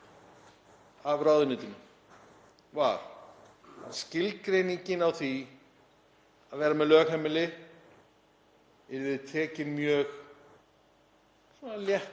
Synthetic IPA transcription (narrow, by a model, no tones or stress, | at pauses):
avɾaːwðʏnɪːt̪ʏm | vaɾ̥ | scɪlkɾeːjniɲcɪnawθi | aðvɛːɾamɛðlœːɣɦɛmːɪlɪ | ɛɾvɪðt̪ʰɛːcɪnmjœːx | sɔnaljɛht̪